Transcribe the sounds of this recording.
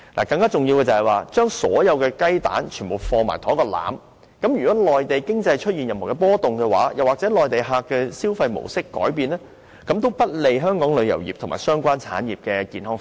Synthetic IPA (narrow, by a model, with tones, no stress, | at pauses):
lʔa̰ː˨˩kɐ˧ŋkaː˥t͡sʊ˨ŋjiː˧wkɛː˧t͡sɐ˨hɐ˨jwaː˨t͡ʃœː˥ŋsɔ̰ː˨˥jɐ˨˧wkɛː˧kɐ˥jt̪a̰ː˨˥nt͡ʃʰyː˨˩npo˨˩wfɔː˧ma̰ː˨˩jt̪ʰɔː˨˥kɔː˧la̰ː˨˥m | kɐ˨˥mjy˨˩kɔː˨˥lɔː˨jt̪e˨jkɪ˥ŋt͡sɐ˧jt͡ʃʰɵ˥t̚jiː˨njɐ˨mho˨˩kɛː˧pɔː˥t̪ʊ˨ŋkɛː˧wa̰ː˨˥jɐ˨˩waː˨k̚t͡sɛː˨˥lɔː˨jt̪e˨jɦaː˧kːɛː˧siː˥wfɐ˧jmo̰˨˩wsɪ˥kːɔ̰ː˨˥jpiː˧nlɛː˥ | kɐ˨˥mt̪o˥wpɐ˥t̚le˨˧jɦœː˥ŋkɔː˨˥ŋlɵ˨˧ɥjɐ˨˩wjḭ˨p̚t̪ʰʊ˨˩ŋmaː˨jsœː˥ŋkʷaː˥nt͡sʰa̰ː˨˥njiː˨p̚kɛː˧kiː˧nɦɔː˥ŋ